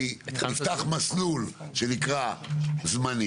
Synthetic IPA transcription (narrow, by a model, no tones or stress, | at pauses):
it̪χalft̪aχmaslulʃenikʁazmani